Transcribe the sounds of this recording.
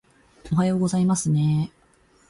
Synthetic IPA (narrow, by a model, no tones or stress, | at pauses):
oɦajo̞ːɡo̞zaimasɨne̞